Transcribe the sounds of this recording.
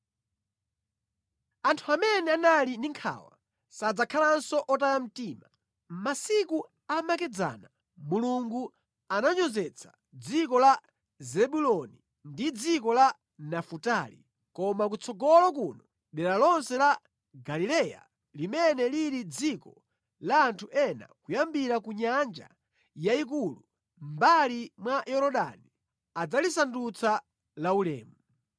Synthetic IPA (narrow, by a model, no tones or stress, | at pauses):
antʰuamɛnɛanalindiŋkʰa̰wa̰ | sad͡zakʰalansɔʔɔtajam̩tiːma | masiku | amakɛd͡za̰ːna | muluŋɡu | anaɲɔzɛt͡sʰḁ | d͡zikɔla | zɛɓulɔni | ndid͡zikɔla | nafutalḭ | kɔmak̬ut͡sʰɔɡɔlɔk̬unɔ | ɗɛɾalɔnsɛla | ɡalilɛja̰ | limɛnɛliɾid͡zikɔ | laːntʰuʔɛna̰kujambiɾakuɲand͡ʒa̰ | jaik̬ulu | mbalimwajɔɾɔɗa̰ni | ad͡zalisandut͡sa | laulɛ̰ːmu